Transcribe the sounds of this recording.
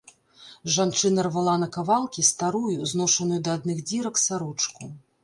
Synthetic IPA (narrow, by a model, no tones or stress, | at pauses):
ʐant͡ʂɨnɐrvalˠanɐkavalˠkʲist̪aɾujuznɔʂɐnujud̪ɐːd̪̚nɨxd͡zʲiɾɐksaɾut͡ʂku